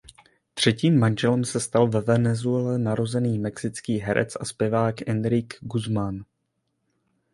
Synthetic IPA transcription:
t̪r̝̥ɛciːmːanʒɛlɛmsɛst̪alvɛvɛnɛzuɛlɛnaɾo̞zɛniːmɛksɪt͡skiːɦɛɾʔɛ̰t͡sʔaspjɛvaːkʔɛnd̪ɾɪɡɡuzman

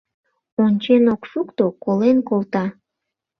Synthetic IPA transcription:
onʲt͡ɕenokʃukt̪okolenkolˠt̪ɑ

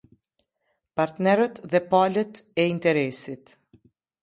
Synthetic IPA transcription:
paɾt̪nɛɾət̪ðɛpalət̪ɛint̪ɛɾɛsit̪

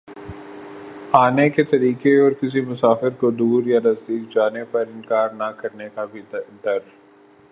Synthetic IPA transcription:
aːneket̪ɐɾiːkeɔːɾkɪs̬imʊsaːfɪɾkod̪uːɾjanɐzd̪iːk̚d͡ʒaːnepɐɾɪnkaːɾnakɐɾnekabʱid̪ɐɾ

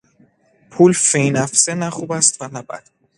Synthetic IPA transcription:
pʰuːlfejnæfsenæχubæst̪vænæbæ̰d̪̥

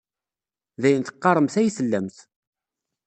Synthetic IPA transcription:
ðæjənt̪ə̥qːɑɾˤəmθæjisəlːæmθ

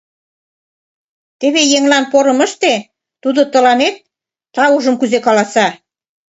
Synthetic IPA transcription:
t̪eβejeŋlɑnpoɾɤ̆mə̆ʃt̪e | t̪ud̪ot̪ə̆lɑnet̪̚ː | ɑuʒə̆mkyzekɑlɑsɑ

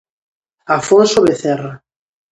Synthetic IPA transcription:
afonsoβeθɛra

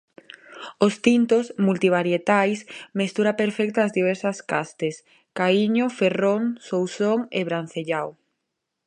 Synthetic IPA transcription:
ost̪int̪osmult̪iβ̞aɾjet̪ajsmest̪uɾapeɾfɛk̚t̪oazðiβ̞ɛɾsɐskast̪es | kaiɲoferoŋsowsoŋeβɾan̟θeʎaw

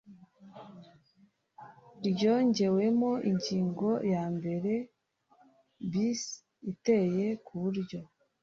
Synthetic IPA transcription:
ɾɟo̞ɲɟe̞we̞moʔiɲɟiːŋɡo̞jaːmbe̞ɾe̞ | bis | ite̞jekʰuβuɾɟo̞

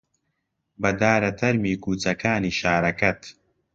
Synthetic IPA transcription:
bɐd̪aːɾɐt̪ʰɐɾmiːkuːt͡sɐkaːniːʃaːɾɐkɐt̪

